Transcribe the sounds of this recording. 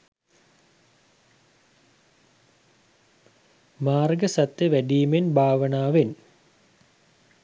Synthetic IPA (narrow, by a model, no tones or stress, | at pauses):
maːrɡəsat̪jəʋæɖiːmenbʱaːʋənaːʋen